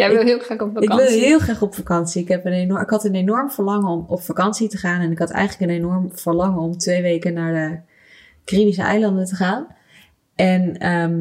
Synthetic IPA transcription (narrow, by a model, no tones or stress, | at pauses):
jɛɪlˠɦɪːlˠχaχɔpfaɪkʋɪlˠɦɪːlˠχraːχɔpfakɑnsiɪkɦɛpənenɪkɦɑtənenɔɹmvəɹlɑŋəɔmɔpfakɑnsitəχaːnɛnɪkɦɑtɛ̰jχələkənenɔɹmv̥əɹlɑŋəɔmtʋejʋejkənːaːɹdə | krimisəɛ̰jlɑndəntəχaːn | ʔɛnə